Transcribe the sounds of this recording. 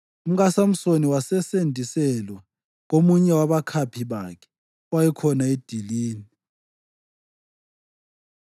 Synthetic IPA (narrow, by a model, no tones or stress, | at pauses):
um̩ɣasam̩soniwasɛsendʱisɛlwa | ŋ̬omuɲɛwaβakʰapʰiβakʰɛ̥ | wajɛkʰɔnaed̥ʱiliːni